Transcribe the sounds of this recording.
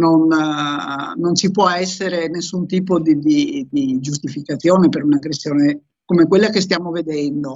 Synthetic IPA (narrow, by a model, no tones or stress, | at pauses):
non | ont͡ʃipwɔɛsːeɾenesːunt̪iːpod̪id̪id̪id͡ʒus̬t̪ifikat̪sːjoːnepeɾunaɡɾesːjoːne | komekwelːakes̬t̪jaːmoved̪ɛnd̪o